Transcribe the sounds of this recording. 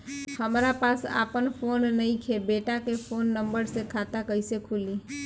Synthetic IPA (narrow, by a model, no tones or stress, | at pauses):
həmɾapaːsa̰ːpənpʰoːnːəĩkʰebeːʈakepʰoːnːə̃mbəɾsekʰaːt̪akəɪsekʰuːliː